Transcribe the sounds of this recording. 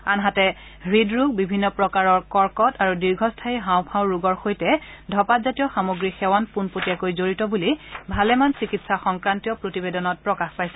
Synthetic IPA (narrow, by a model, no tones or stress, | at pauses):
anɦatɛ | ɹidɹuɡ̚bibʱinːɔpɹɔkaɹɔɹkɔɹkɔtaɹudiɹɡʱɔstʰaiɦãw̃pʰãʊ̃ɹuɡɔɹxojtɛdʱɔpatzatijɔxamoɡɹixɛwanpunpotiakojzoɹitɔbulibʱalɛmansikitsaxɔŋkɹantiɔpɹotibedɔnɔt̚pɹɔkaxpajsɛ